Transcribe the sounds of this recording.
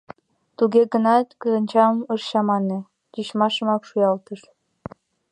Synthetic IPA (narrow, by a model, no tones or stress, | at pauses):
t̪uɣeɡənɑt̪kəɤ̆nʲt͡ɕɑmərɕɑmɑne | tiɕmɑʃɤ̆mɑkʃujɑlt̪əʃ